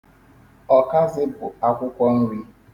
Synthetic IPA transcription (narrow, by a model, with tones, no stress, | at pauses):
ɔ˨ka˦zɪ˦bʊ˨a˦kʷʊ˦kʷɔ˦ŋ̩˦wʷi˦